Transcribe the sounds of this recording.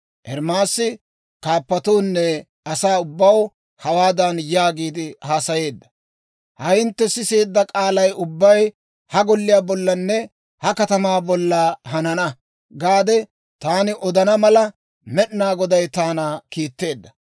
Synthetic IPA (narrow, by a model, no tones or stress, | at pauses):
ʔɛɾmaːsːɪ | kaːpːɐt̪uːnːɛ | ɐsaːʊbːɐw | hɐwaːd̪ɐnjaːɡiːd̪ɪhaːsɐje̞ːd̪ːɐ̥ | hɐjɪnt̪ːɛsɪseːd̪ːɐkʼaːlɐjʊbːɐj | hɐɡɔlːɪjaːbɔlːɐnːɛ | hɐkɐt̪ɐmaːbɔlːɐɦɐnɐnɐ | ɡaːd̪ɛ | t̪aːnɪʔɔd̪ɐnɐmɐlɐ | mɛɗɪnaːɡɔd̪ɐjt̪aːnaːkiːt̪ːe̞ːd̪ːɐ̥